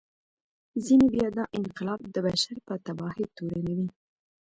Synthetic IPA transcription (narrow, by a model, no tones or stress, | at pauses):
zinebjɑd̪ɑʔɪnqɪlɑbd̪əbaʃaɾpət̪abɑhet̪oɾanawi